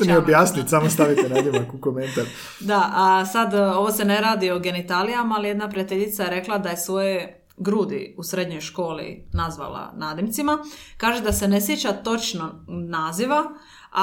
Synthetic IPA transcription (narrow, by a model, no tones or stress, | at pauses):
miobjaːsnit̪samost̪aʋit̪enad̪imakukoment̪aɾ | d̪aʔasad̪o̞ʋose̞ne̞ɾaːd̪ioɡe̞nit̪alijamaːlije̞d̪napɾijet̪eʎit̪saeɾe̞klad̪aje̞sʋo̞je | ɡɾuːd̪ḭusɾe̞d̪ɲo̞jʃko̞ːlḭnazʋa̰la̰naːd̪imt̪simakaːʒed̪ase̞ne̞sjet͡ɕat̪o̞t͡ʃnonaːziʋa